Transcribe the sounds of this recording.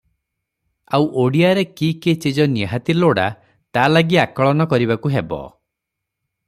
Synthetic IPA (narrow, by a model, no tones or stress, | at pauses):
awʔoɽiaɾekiket͡ʃid͡ʒɔniɦat̪iloɽa̰ | t̪alaɡiakɔɭɔnɔkɔɾiβakuɦebɔ̰